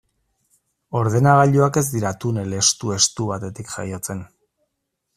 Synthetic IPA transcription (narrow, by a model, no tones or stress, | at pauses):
o̞ɾðe̞naɣaʎuake̞zd̪iɾat̪unele̞st̪ue̞st̪uβat̪e̞t̪ikʝa̰jo̞t͡se̞n